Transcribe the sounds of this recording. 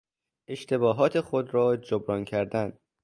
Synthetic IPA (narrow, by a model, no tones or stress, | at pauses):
ʔe̞ʃt̪ʰe̞bɒːɦɒːt̪ʰe̞xod̪ɾɒːd͡ʒobɾɒːncʰæɾd̪æn